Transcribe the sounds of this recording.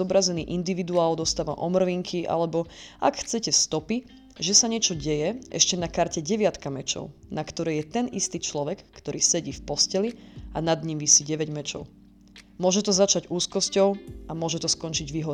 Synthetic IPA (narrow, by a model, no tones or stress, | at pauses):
ɔbɾazɛniːʔind̪iʋid̪uaːld̪ɔst̪aːʋa̰ʔɔmr̩ʋiŋkʰiʔa̰lɛbɔa̰kxt͡sɛcɛfst̪ɔpi | ʒɛsaɲɪɛt͡ʃɔɟɛjɛɛ̰ʃcɛnakaɾcɛɟɛʋɪat̪kamɛt͡ʃɔ̰ʊnakt̪ɔɾɛːjɛt̪ɛnist̪iːt͡ʃlɔʋɛkːt̪ɔɾiːsɛɟiːfpɔscɛlianad̪ɲimʋisiɟɛʋɛɟmɛt͡ʃɔ̰ʊ | mʊɔʒɛt̪ɔzat͡ʃaɟuːskɔscɔʊamʊɔʒɛt̪ɔskɔnt͡ʃiɟʋiɦɔɾ